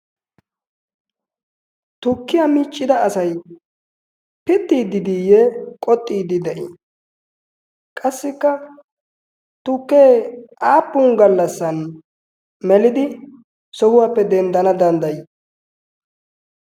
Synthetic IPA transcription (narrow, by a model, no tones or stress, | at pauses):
t̪ʊkːɪjamiːt͡ʃʼːɪd̪ɐɐsɐj | pɪt̪ːiːd̪ɪd̪ijɛkʼɔt̪ʼːiːd̪ɪd̪ɛʔḭ | kʼɐsːɪkːɐ | t̪ʊkːeːaːpːʊŋɡɐlːɐsːɐn | mɛlɪd̪ɪ | sɔhʊwaːpːɛd̪ɛnd̪ɐnɐd̪ɐnd̪ɐjɪ